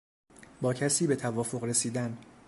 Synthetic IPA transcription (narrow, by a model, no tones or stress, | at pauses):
bɒːcʰæsiːbe̞t̪ʰævɒːfo̞ɣɾe̞siːd̪æn